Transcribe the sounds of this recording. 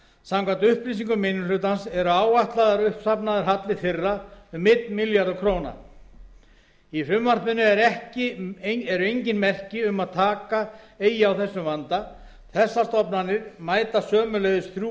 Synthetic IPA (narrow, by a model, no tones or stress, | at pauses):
samkʰant̪ʏhpɾis̬iŋkʏmɪnʏlʏːt̪ansɛɾʏaːwaht̪laðaɾʏhpst̪apnaðɪɾ̥ɦat̪lɪθɪrːaʏmːɪt̪nmiljaɾðʏkʰɾoːwna̰ | ifɾʏmvaɾpɪnːʏɛɾɛhcɪɛɾʏejɲcɪnmɛr̥cɪʏmaðt̪ʰaːka | eːjɪawθɛsːʏmvant̪a | θɛsːast̪ɔpnanɪɾmaːjt̪asœːmʏlejɣðʏsθɾu